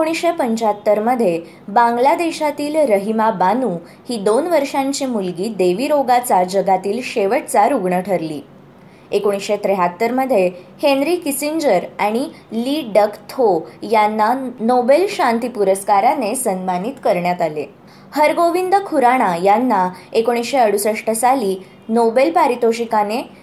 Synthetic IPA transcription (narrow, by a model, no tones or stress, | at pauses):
ekoɽ̃isɕepəɲt͡ɕat̪ːəɾməd̪ʱːje | bãŋɡlad̪eɕat̪iːlɾəɦimabanuː | hiːd̪onʋəɾʂãɲt͡ɕimulɡiːd̪eʋiːɾoɡat͡sad͡ʑəɡat̪iːlɕeʋəʈt͡saɾuɡɳəʈʰəɾlḭː | ekoɽ̃isɕet̪ɾeɦat̪ːəɾməd̪ʱjehenɾiːkisiɲd͡ʑəɾaɽ̃i | liɖəkt̪ʰojanːanobelɕant̪ipuɾəskaɾanesənmanit̪kəɾɳjat̪alḛ | həɾɡoʋind̪əkʰuɾaɽ̃ajanːaekoɽ̃isɕeəɽ̤usəʂʈʰəsaliː | nobelpaɾit̪oɕikane